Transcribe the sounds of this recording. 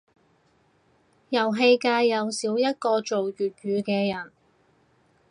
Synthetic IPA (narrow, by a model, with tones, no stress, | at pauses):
jɐ˨˩wɦe˧jkaː˧jjɐ˨˧wsiː˨˥wjɐ˥t̚kɔː˧t͡ʃo˨wjyː˨t̚ɥyː˨˧kɛː˧jɐ˨˩n